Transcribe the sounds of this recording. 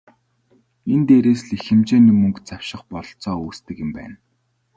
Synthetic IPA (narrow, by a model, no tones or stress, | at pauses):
ent̪eːɾeːsɮixɘ̆mt͡ɕeːnimɵŋkt͡sawʃɪ̆χpɔɮ̆ɬt͡sɔːuːst̪ɘ̆kjɪ̆mpæ̰ːn